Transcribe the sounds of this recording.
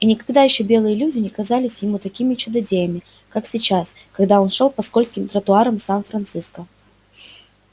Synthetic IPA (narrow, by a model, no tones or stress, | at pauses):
inʲɪkɐɡd̪ajɪɕːobʲe̞lˠɨjəlʲudʲɪnʲɪkɐzalʲɪsʲjɪmut̪ɐkʲimʲɪt͡ɕʊd̪ɐdʲejəmʲɪ | kaksʲɪt͡ɕas | kɐɡd̪ao̞nʂo̞lˠpɐsko̞lʲskʲɪmt̪ɾət̪ʊaɾəmsanfɾɐnt̪sɨskə